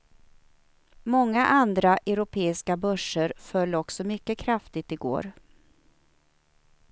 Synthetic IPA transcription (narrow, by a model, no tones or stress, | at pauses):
mɔŋːaʔand̪ɾaʔɛɾʊpʰeːɪskabœʂəɾfœlːɔksɔmʏkːəkʰɾaft̪ɪt̪ɪɡo̰ːɾ